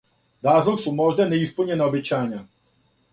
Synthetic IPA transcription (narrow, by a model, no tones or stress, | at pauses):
ɾazlˠuksumɔʒnɛnɛispəlɲɛnɛɔbʲɛt͡ʃaɲa